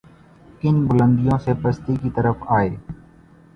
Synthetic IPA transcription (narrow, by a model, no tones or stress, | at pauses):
ɪnbʊlə̃nd̪ijõsepɐst̪ikit̪ɐɾəfaːeː